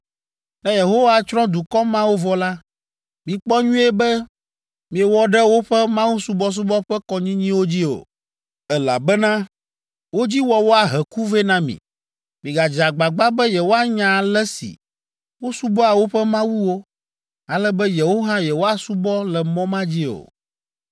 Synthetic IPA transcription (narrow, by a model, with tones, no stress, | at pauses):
nɛ̃˦je˨ɦo˦wa˨t͡ʃɾɔ̃˦d̪u˨kɔ˦mã˦wo˦vɔ˨la˦ | mĩ˨k͡pɔ˦ɲũ˦ɛ˦bɛ˦ | mĩ˨e˨wɔ˦ɖɛ˦wo˦ɸɛ˦mã˦wu˦su˦bɔ˦s̬u˦bɔ˦ɸɛ˦kɔ˦ɲĩ˦ɲĩ˦wo˦d͡ʑi˦o̰˨ | ɛ˨la̰˨bɛ˦nã˦ | wo˦d͡ʑi˦wɔ˨wo˦a˨ɦɛ˨ku˦vɛ˦nã˦mḭ̃˨ | mĩ˨ɡa˨d͡ʒa˨ɡ͡ba˨ɡ͡ba˦bɛ˦jɛ˨wo˦a˦ɲã˨lɛ˦sḭ˨ | wo˦su˦bɔ˦a˨wo˦ɸɛ˦mã˦wu˦wo˦ | a˨lɛ˦bɛ˦jɛ˨wo˦ɦã˦jɛ˨wo˦a˨su˦bɔ˦lɛ˨mɔ̃˦mã˦d͡ʑi˦o̰˨